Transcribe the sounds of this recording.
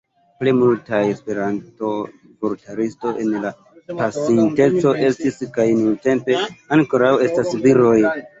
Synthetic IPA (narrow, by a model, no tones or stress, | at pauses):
plimultajespe̞ɾanto̞ | voɾtʰaɾisto̞ʔe̞nla | pasinte̞t͡so̞ʔe̞stiskajnunte̞mpe̞anko̞ɾawe̞stasviɾo̞j